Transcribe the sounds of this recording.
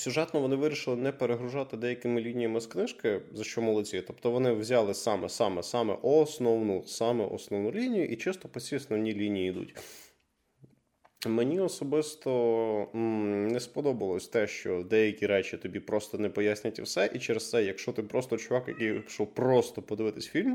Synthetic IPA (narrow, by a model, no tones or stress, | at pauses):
sʲʊʒɛt̪nɔʋɔnɪʋɪɾʲiʃɪlˠɪnɛpeɾeɦɾʊʒɑt̪ɪd̪ɛjɐkɪmɪlʲinʲijɐmɪsknɪʃkɪzɐʃt͡ʃɔmɔlˠɔt͡sʲit̪ɔpt̪ɔʋɔnɪwzʲɑlˠɪsɑmɛsɑmɛsɑmɛ̰ʔɔsnɔwnʊsɑmɛʔɔ̰snɔwnʊlʲinʲijʊʔit͡ʃɪst̪ɔpɔsʲiɔsnɔwnʲilʲinʲijiːd̪ṵtʲ | menʲiɔsɔbɪst̪ɔ | nɛspɔd̪ɔbɐlˠɔsʲt̪ɛʃt͡ʃɔd̪ɛjɐkʲiɾɛt͡ʃit̪ɔbʲipɾɔst̪ɔnɛpɔjasʲnʲɪtʲɐwsɛʔit͡ʃɛɾest̪sɛjɐkʃt͡ʃɔt̪ɪpɾɔst̪ɔt͡ʃʊʋɑkjɐkijʃɔwpɾɔst̪ɔpɔd̪ɪʋɪt̪ɪsʲfʲilʲm